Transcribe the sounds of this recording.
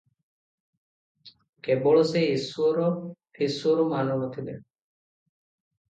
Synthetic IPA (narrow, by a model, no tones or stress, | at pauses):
kebɔɭɔseisuɔɾɔhisuɔɾɔmanɔnɔt̪ʰibe